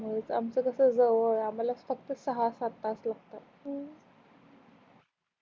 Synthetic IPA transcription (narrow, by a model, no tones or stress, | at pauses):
məɭet͡sa̰mt͡səkəsəd͡zəʋəɾam̤alafək̚t̪əsəɦasat̪aslaɡ̚t̪a